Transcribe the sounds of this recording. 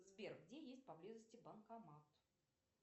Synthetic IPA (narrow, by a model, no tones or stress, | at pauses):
zbʲerkɡdʲejesʲt̚ʲpɐblʲizəsʲtʲɪbənkɐmat̪